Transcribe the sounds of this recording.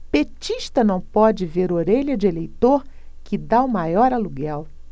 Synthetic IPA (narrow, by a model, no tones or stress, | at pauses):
pet͡ʃiʃt̪ɐnɐ̃w̃pɔd͡ʒɪveɾoɾeʎɐd͡ʒɪelejt̪oɾ | kʰɪd̪aʊmajɔɾaluɡɛw